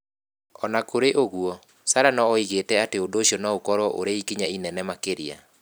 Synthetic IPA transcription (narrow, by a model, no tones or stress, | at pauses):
ɔnakoɾeʔoɣuɔ | saɾanɔːiɣetɛateodoɕiɔnɔokɔɾwɔʔo̰ɾeikiɲainɛnɛmakeɾia̰